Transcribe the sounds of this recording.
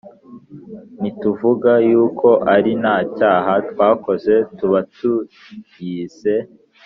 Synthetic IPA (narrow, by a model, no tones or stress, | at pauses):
nituvuɡajuːkʰo̞ʔaɾinaːcaːɦatwaːko̞ze̞tuβatu | ɟiːse̞